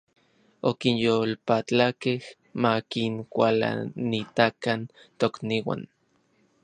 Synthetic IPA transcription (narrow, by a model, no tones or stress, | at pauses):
okinjolpat͡ɬakeh | makiŋkʷala̰nit̪akan | t̪okniwa̰n